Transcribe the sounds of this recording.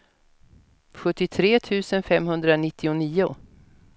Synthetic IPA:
ɧɵt̪ːɪt̪ʰɾeːt̪ʰʉ̟ːsənfɛmɦɵnd̪ɾanɪt̪ʰːɪʊniːʊ

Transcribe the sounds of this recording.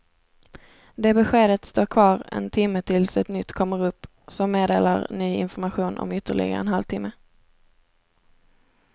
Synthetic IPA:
d̪eːbɛɧeːd̪ət̪st̪oːɾkʰvɑːɾɛ̰nt̪ʰɪmːət̪ʰɪlsɛt̪nʏt̪ːkʰɔmːəɾɵpː | sɔmːeːd̪eːlaɾnyːɪ̰nfɔɾmaɧuːnʔɔ̰mʏt̪ːəɭɪ̰ɡa̰ɛ̰nɦalvt̪ʰɪmːə

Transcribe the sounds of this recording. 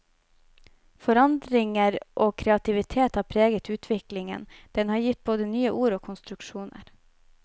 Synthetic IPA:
fɔɾɑnd̪ɾɪŋəɾʔoːkʰɾɛɑt̪ɪʋɪt̪ʰeːt̪hɑːpʰɾeːɡət̪ʉːt̪ʰʋɪklɪŋə̰nd̪̥ɛnhɑːɾjɪt̪̚boːd̪ənyːəʔuːɾoːkʰʊnst̪ɾʉkʃuːnə̰ɾ

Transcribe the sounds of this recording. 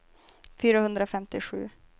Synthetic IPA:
fyːɾahɵnd̪ɾafɛmt̪ɪɧʉ̟̰ː

